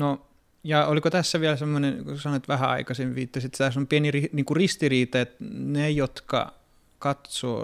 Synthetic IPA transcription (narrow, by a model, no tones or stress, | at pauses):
no | jɑolikot̪æsːæʋiælsemːonenksɑnoet̪ʋæhæɑ̰ikɑseʋʋiːt̪ːeset̪ːt̪æsompieniriniːŋkurist̪iriːt̪ɑet̪nejot̪kɑ̰ | kɑt̪so̰ː